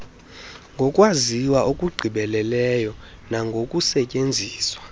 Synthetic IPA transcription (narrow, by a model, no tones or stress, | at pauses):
ŋɡʱɔkʼwaziwaʔokʼuɡ͡ǀʱiɓɛlɛlɛjɔ | naŋɡʱokʼusɛcʼend͡zʱiːswa